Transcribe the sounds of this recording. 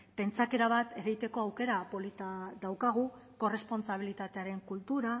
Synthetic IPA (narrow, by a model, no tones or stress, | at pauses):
pe̞nt͡sake̞ɾaβat̪e̞ɾejt̪e̞ko̞awke̞ɾapo̞lit̪aðawkaɣ̞u | ko̞re̞spo̞nt͡saβ̞ilit̪at̪e̞aɾe̞ŋkult̪uɾa